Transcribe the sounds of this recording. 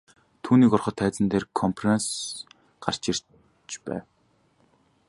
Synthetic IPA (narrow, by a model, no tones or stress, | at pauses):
t̪ʰuːniːkɔrχɞ̆t̪ʰːæːt͡sɘ̆nt̪eːrkʰɔmpʰrens | ɢ̥ar̥t͡ɕir̥ | t͡ɕpæ̰ːw